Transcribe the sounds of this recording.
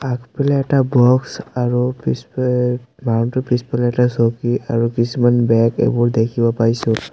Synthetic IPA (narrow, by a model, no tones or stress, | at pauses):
akpɛlɛɛtabɔksaɹupis | mantʊpispɛlɛɛtasokiaɹukisumanbɛkḛbɔɹd̪ekʰibɔpaɹisʊ̃